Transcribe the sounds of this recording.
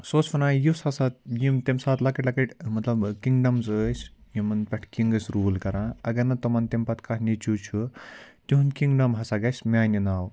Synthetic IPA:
soːt͡ʃfɐnãːjushɐsat̪̚jimt̪emsaːt̪lɐkɐʈlɐkɐʈʲmɐt̪lɐbkiŋɡɖɐmzəːsʰʲjimɐnpʲɐʈʰkiŋɡɨsʲɾuːlkɐɾãːɐɡɐɾnɐt̪omɐnt̪empɐt̪ʰkɐhʰnit͡ʃut͡ʃʰut̪ʲiɦunkiŋɡɖɐmɦɐsaɡɐsʲmʲaːninaːw

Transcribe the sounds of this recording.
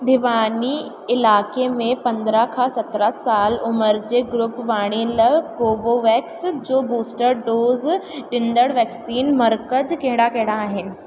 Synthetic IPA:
b̪ʱɪʋaːni | ɪlaːkemẽpɐ̃nd̪ɾəkʰãsɐt̪ɾasaːlʊməɾd͡ʑeːɡɾʊpʋaːɽ̃eləɡoːboʋɛːksd͡ʑoːbuːsʈəɾɖoːzɗɪ̃nd̪əɽʋɛːksiːnmɐɾkəd͡ʑkɐ̃ɦɪ̃ɽakɐ̃ɦɪ̃ɽaːɦɪnɪ̆

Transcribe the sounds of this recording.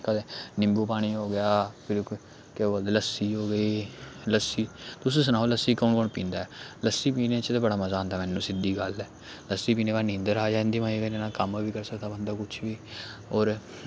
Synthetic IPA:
kəd̪eːnɪ̃mbuːpaːɽ̃iːɦoːɡɪjaːpʰɪɾ | keboːld̪ləsːiːɦoːɡəiːləsːiːt̪ʊsẽːs̬ənaːoːləsiːkɔːnkɔːɳpĩːnd̪aːɛːləsːiːpiːnẽːt͡ʃt̪eːbəɽaːməzaːə̃nd̪aːmɛːnːũːsɪd̪iːɡəlɛː | ləsːiːpiːnẽːbaːnĩːnd̪əɾaːd͡ʒaːɪ̃nd̪iːmãːiːɡəneːnãːkəmʋiːkəɾsəkd̪aːbənd̪aːkʊt͡ʃʰʋiːɔːɾ

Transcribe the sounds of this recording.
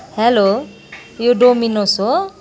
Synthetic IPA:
helo | joɖominoso

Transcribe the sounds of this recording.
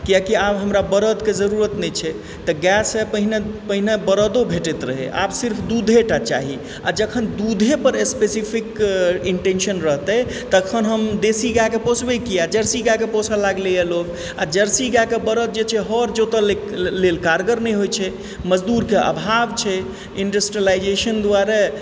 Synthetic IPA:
kijakiabɦəmɾabəɾəd̪ked͡ʒəɾuɾət̪nɛt͡ʃʰɛ | t̪əɡɛsepəɦinepəɦinebəɾəd̪obʱeʈɛt̪ɾəɦḛʔa̰bsiɾpʰd̪ud̪ʱeʈat͡ʃa̰ɦi | a̰d͡ʒəkʰənd̪ud̪ʱepəɾespesipʰikiɳʈensənɾəɦt̪ɛ | t̪əkʰənɦəmd̪esiɡakeposʰbekijad͡ʒəɾsiɡakeposʰalaɡleəlok | ad͡ʒəɾsiɡakebəɾət̪̚d͡ʒet͡ʃʰɛɦəɾd͡ʒot̪əle | lelkaɾɡəɾnɛjɦojt͡ʃʰɛ | məd͡ʒd̪uɾkeə̰bʱabt͡ʃʰɛ | iɳɖəsʈɾiəlajd͡ʒeʃənd̪uaɾa

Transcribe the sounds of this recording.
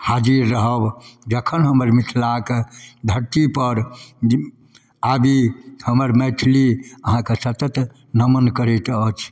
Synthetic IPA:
had͡ʒiɾːəɦəbd͡ʒəkʰənɦəməɾmit̪ʰlaked̪ʱəɾt̪ipəɾ | abihəməɾmɛtʰliəɦãkesət̪ət̪ | nəmənkəɾet̪ət͡ʃʰ

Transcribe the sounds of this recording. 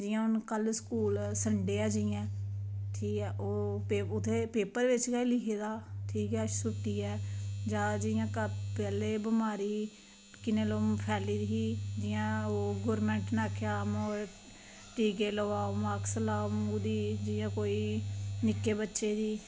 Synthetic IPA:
d͡ʒɪːãːʊnkəlskuːlsəɳɖeːaːd͡ʒɪjãːʈʰiːkɛːʔoːpeʊt̪ʰːeːpeːpəɾʋɪt͡ʃkailɪkʰeːd̪aːʈʰiːkɛːsʊʈːiːɛːd͡ʒãːd͡ʒɪjãːkəpɛːleːbəmaːɾiː | kɪneːloːmpʰɛːliːɾɪɦiːd͡ʒɪːãːoːɡɔːɾmɛ̃ːɳʈnaːkʰeaːmoːɾ | ʈiːkeːləʋaːomaːksəlaːmod̪iːd͡ʒɪjãːkoːiːnɪkːeːbətːʃeːd̪iː

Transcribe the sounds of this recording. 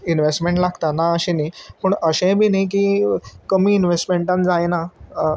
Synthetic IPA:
inʋesʈmẽɳʈlaɡt̪anaəɕẽnipəɳəɕẽbʱiːnik̬iːkəmiːnʋesʈmeɳʈãnd͡zajna

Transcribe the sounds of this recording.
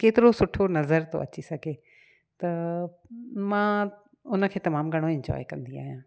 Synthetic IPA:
keːt̪ɪɾosʊʈʰonɐzəɾt̪o̰ʔɐ̰t͡ɕisɐɡʱe | t̪ɐ | mãː | ʊnə̆kʰeːt̪ɐmaːmɡʱɐɽ̃oɪ̃ɲd͡ʑɔ̰ːekɐ̃nd̪ia̰ːɦijãː

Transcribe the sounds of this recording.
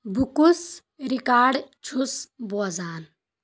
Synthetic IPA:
bukus | ɾikaːɖt͡ʃʰusboːzaːn

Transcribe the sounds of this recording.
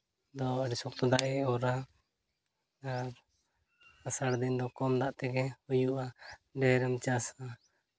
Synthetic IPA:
d̪ɔəɖɛsɔk̚t̪ɔd̪aʔɛɔɾa | aɾ | asaɽd̪ind̪ɔkɔmd̪aʔt̪ɛɡɛhujuʔaɖɛɾɛmt͡ʃasa

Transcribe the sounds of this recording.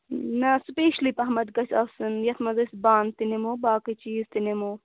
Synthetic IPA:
nɐspeːʃliːpɐɦmɐd̪ɡɐsʲʰɐsɨnjɐt̪ʰmɐzɐsʲbaːnt̪inemoːbaːkit͡ʃiːzt̪inemoː

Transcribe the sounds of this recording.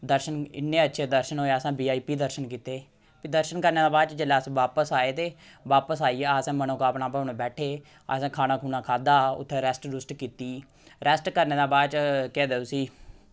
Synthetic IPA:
d̪əɾʃənɪ̰nːẽːətːʃʰeːd̪əɾʃənɦoːeəsãːbiːaːiːpiːd̪əɾʃənkiːt̪eː | pid̪əɾʃənkəɾneːd̪aːbaːd̪t͡ʃd͡ʒəlaːsʋaːpəsaːeːt̪eːʋaːpəsaːiːɛːaːsɛ̃ːmənõːkaːpnaːpəːneːbɛːʈʰeː | ə̰ːsɛ̃ːkʰaːnaːkʰuːnaːkʰaːd̪aːʊ̰t̪ʰːẽːɾɛsʈɾʊsʈkiːt̪iː | ɾɛsʈkəɾneːd̪ãːbaːt͡ʃkɛːd̪eːoːsiː

